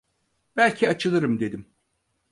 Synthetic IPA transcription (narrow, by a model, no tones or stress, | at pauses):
b̥ælʲcʰiat͡ʃʰɯlˠɯɾɯmd̪e̞d̪im